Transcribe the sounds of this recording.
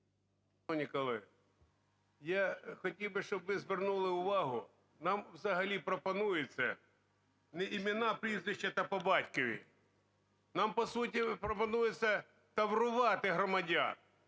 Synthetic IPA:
nʲɪkɐlˠɪ | jaxɐtʲilˠbɪʃt͡ʃɔbʋɪzʋʲɪrnulˠɪʊʋɑɦʊ | nɑmwzɐɦɐlʲipɾɔpɐnujɪt͡sʲːɐ | nɛʔɪmʲɪnapɾʲizʋʲɪɕːɛt̪ɐpɐbɑtʲkɔʋʲḭ | nɑmpɐsut̬ʲipɾɔpɐnujɪsʲːɐ | t̪ɐʋrʊʋɑt̪ɪɦɾɔmɐdʲa̰n

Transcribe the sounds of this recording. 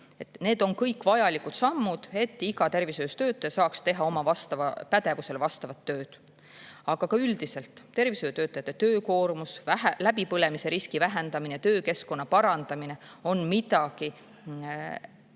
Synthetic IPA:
e̞t̪ˑne̞ːd̪o̞nkɤjkːˑvɑjɑlikut̪sɑmːud̪̥e̞t̪ːˑiɡɑt̪e̞rvisøjst̪ø̞ːt̪ːˑɑjɑsɑːkst̪e̞ɦɑomɑvɑst̪ɑvɑpæt̪e̞vuse̞lvɑst̪ɑvɑt̪ːø̞ːd̪̥ | ɑɡ̥ɑkɑyld̪̥ise̞lt̪ˑːe̞rvisøjːt̪øːt̪ːˑɑjɑt̪ːˑet̪ø̞ːko̞ːrmusælæbipɤle̞mise̞ɾiskivæɦend̪̥ɑminejɑt̪øːke̞sko̞nːɑpɑɾɑnd̪̥ɑmine̞ | o̞nmit̪ɑki

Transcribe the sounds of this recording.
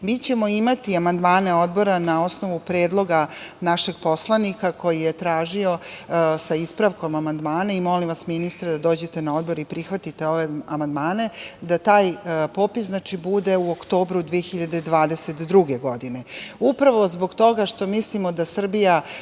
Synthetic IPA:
miːt͡ɕe̞mo̞imat̪iamand̪maːne̞o̞d̪bo̞ɾanao̞sno̞ʋupɾeːd̪lˠo̞ɡanaʃe̞ɡpo̞slˠanikakʰo̞jijet̪ɾaːʒio̞saispɾaʋko̞mamand̪maːnaimo̞limʋasminist̪ɾad̪ad̪o̞ːd͡ʑe̞t̪e̞nao̞d̪bo̞ɾipɾixʋat̪it̪e̞o̞ʋeamand̪maːne̞d̪at̪aːjpo̞ːpisznaːt͡ʃibud̪e̞uokt̪o̞ːbɾud̪ʋeexiʎad̪e̞d̪ʋaːd̪e̞set̪d̪ɾuɡe̞ɡo̞d̪ine̞upɾaʋo̞zbo̞ɡt̪o̞ɡaʃt̪o̞mislimo̞d̪asr̩bija

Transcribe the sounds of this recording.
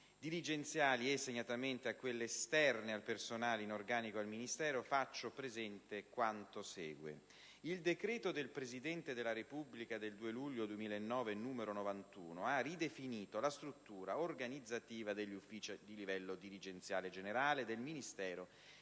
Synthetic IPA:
d̪iɾid͡ʒent̪sjaːliesːeɲːat̪ament̪eakːwelːeːst̪ɛrnealpersonaːlinorɡaːnikoalminist̪ɛːɾofat͡ʃːopɾezɛnt̪ekwant̪osɛːɡwḛ | ild̪ekɾɛːt̪od̪elpɾezid̪ɛnt̪ed̪elːaɾepubːlikad̪eld̪uːeluʎːod̪uwemiːlaenːɔːvenːuːmeɾonovant̪ṵːnoarid̪efiniːt̪olast̪ɾut̪ːuːɾaorɡanid̪zːat̪iːvad̪eʎːufːiːt͡ʃid̪ilivɛlːod̪iɾid͡ʒent̪sjaːled͡ʒeneɾaːled̪elminist̪ɛːɾo

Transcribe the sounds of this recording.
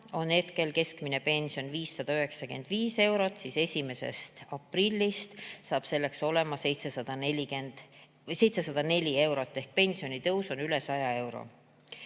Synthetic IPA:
o̞ne̞t̪ke̞lke̞skmine̞pe̞nʲsijo̞nviːsːɑd̪̥ɑøɦe̞ksɑkend̪viːse̞wɾo̞t̪ːˑsise̞sʲime̞se̞̰st̪ɑprilʲːist̪sɑːb̥se̞lːe̞kso̞le̞mɑse̞jt̪sesɑd̪̥ɑnelʲikend̪̥ | se̞jt̪se̞sɑd̪̥ɑne̞lʲie̞wɾo̞t̪ˑːe̞hk̚pe̞nʲsio̞nit̪ɤwso̞nyle̞sɑjɑe̞wɾo̞̰

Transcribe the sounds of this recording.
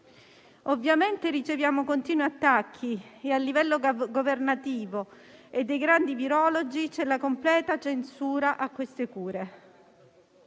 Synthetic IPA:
ovːjament̪eɾit͡ʃevjaːmokont̪iːnwiat̪ːakʰːiealːivɛlːoɡovernat̪iːvo | ed̪ːejɡɾand̪iviɾɔlod͡ʒit͡ʃɛlakomplɛːt̪at͡ʃensuːɾaʔakːwest̪ekuːɾe

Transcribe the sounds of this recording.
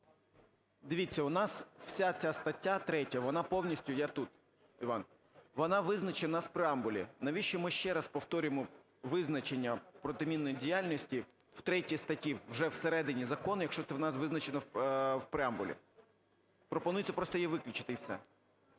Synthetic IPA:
d̪ɪʋʲit͡sʲːɐʊnɑsw̥sʲat͡sʲast̪ɐtʲːat̪ɾɛtʲɐʋɔnɑpɔwnʲisʲtʲʊjat̪ut̪ | iʋɑn | ʋɔnɑʋɪznɐt͡ʃenɐswpɾɪambʊlʲḭnɐʋʲiʃt͡ʃɔmɪʃt͡ʃɛɾɐspɔwt̪ɔɾʲʊjemɔ | ʋɪznɐt͡ʃenʲːɐpɾɔt̪ɪmʲinːɔjidʲijalʲnʲɔsʲtʲi | w̥t̪ɾɛtʲist̪ɐtʲiwʒɛwseɾɛd̪ɪnʲizɐkɔnjɐkʃɔt̪sɛwnɑsʋɪznɐt͡ʃenɐwpɾɪambʊlʲḭ | pɾɔpɔnujɪt̪ʲt͡sʲɐpɾɔst̪ɔjɛʋɪklʲɪt͡ʃɪ̥t̪ɪjwsɛ̰

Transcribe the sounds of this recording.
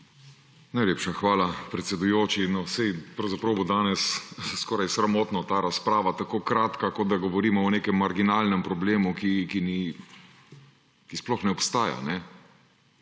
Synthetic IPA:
najlʲeːpʃaxʋaːlapɾɛt̪sɛd̪ujoːt͡ʃinɔsɛjpɾɐwzapɾɐwbod̪aːnɛsskɔːɾajsɾamɔːt̪nɔt̪aːɾaspɾaːʋat̪akoːkɾaːt̪kakɔd̪̚d̪aɡɔʋɔɾiːmɔɔneːkɛmːaɾɡinaːlnɛmpɾɔbleːmukikini | kisplɔxnɛɔpst̪aːja̰nɛ

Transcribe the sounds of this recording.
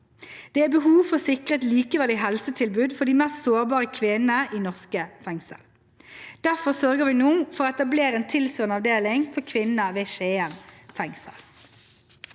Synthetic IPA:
d̪̥ɛːæbəɦuːʋfɔsɪkʁəɛt̪liːkəʋɛd̪ɛɪɦɛlsət̪ʰɪlbʉːd̪fɔʁd̪iːmɛst̪soːʁbɑːʁəkʰʋɪnənəʔiːnɔʁskəfɛŋsə̰l | d̪̥æʁfɔsœʁɡəʁʋɪnuːfɔʁoɛt̪ɑbleːʁəeːnt̪ʰɪlsøːʁnəɑʋd̪eːlɪŋfɔʁkʰʋɪnəʋeːʃeːɛmfɛŋsə̰l

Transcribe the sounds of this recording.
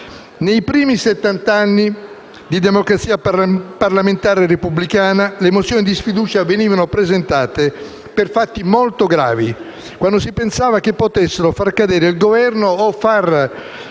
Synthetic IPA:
nejpɾiːmiset̪ːant̪aanːi | d̪id̪emokɾat̪sːiːaparlament̪aːɾerepublikaːnalemot̪sːjoːnid̪isfid̪uːt͡ʃaveniːvanopɾezent̪aːt̪e | perfat̪ːimolt̪oɡɾa̰ːvi | kwand̪osipensaːvak̟epːot̪esːeɾofarkad̪ɛːɾeilɡovɛrnoːfːar

